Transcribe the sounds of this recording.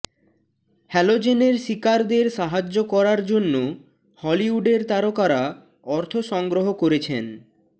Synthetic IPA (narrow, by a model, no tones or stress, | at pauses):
hɛlod͡ʑeneɾʃikaɾd̪eɾʃaɦad͡ʑːokɔɾaɾd͡ʑonːo | hɔliuɖeɾt̪aɾokaɾa | ɔɾt̪ʰoʃɔŋɡɾoɦokoɾet͡ɕʰen